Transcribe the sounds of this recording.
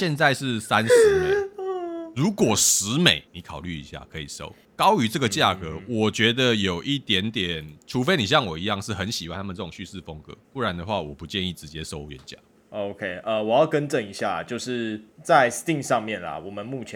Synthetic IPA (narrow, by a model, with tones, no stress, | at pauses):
ɕjɛ˥˧nt͡sa˥˧ɪʂɻ̩˥˩sa˦ns̩˧˦me˩ | ɻu˨˥kwɔ˨˩ʂɻ̩˧˦me˨˩ɪni˨˦kʰɑ˨˩ʊly˥˩ḭ˧˦ɕja̰˥˩kʰɤ˧˦ḭ˨˩ʂo̰˦˥ʊ | kɑ˥ʊy˧˥˦ʈ͡ʂɤ˥˩ɡə˩t͡ɕja˥˨˩kə˧˦wɔ˨˩t͡ɕɥɛ˧˥d̪ə˨jo˨˩ʊʔi˥˩t̪jɛ˧˥nt̪jɛ˨˩nʈ͡ʂʰu˧˥fe˥ɪni˨˩ɕ̬jɑ˥˩ŋwɔ˨˩i˧˦jɑ˥˧ŋʂɻ̩˥˩xə˨˦nɕi˨wa˥˧nt̪ʰa˥mə˨nʈ͡ʂɤ˥˩ʊ˨˩ɕy˥˧sɻ̩˥˩fə˦˥ŋkɤ̰˧˦pu˥˩ɻa˨˦nd̪ə˨˧xwa˥˩wɔ˨˩pu˨˦t͡ɕjɛ˥˧ni˥˩t͡sɻ̩˧˦t͡ɕjɛ˦so˥ʊɥɛ̰˨˦nt͡ɕja̰˥˩ | o˧˦ʊkʰe˦ɪʔə˧wɔ˨˩jɑ˥˩ʊkə˦nʈ͡ʂə˥˨ni˧˥ɕja˥˩t͡ɕjo˥˧ʊʂɻ̩˥˧t͡sa˥˨ɪst̪i˥˧ŋʂɑ˥˧ŋmjɛ˥˨˩nlɐ̰˨˩wɔ˨˩mə˨˦nmu˥˩t͡ɕʰjɛ˧